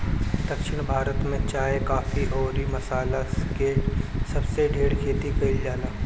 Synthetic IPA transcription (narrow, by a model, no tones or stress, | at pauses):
d̪̥ɐkʃɪɽ̃bʱaːɾət̪mẽt͡ʃaːɦekaːfiʔɔːɾimɐsaːlaskeʈsɐbseɖʱeːɽkʰeːt̪ikɐild͡ʒaːlaː